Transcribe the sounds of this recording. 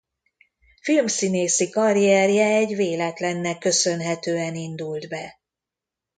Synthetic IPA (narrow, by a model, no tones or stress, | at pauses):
filmsineːsikɒɾiɛrjɛɛɟveːlɛt̪lɛnːɛkːø̞sø̞nɦɛt̪øːɛnind̪uld̪bɛ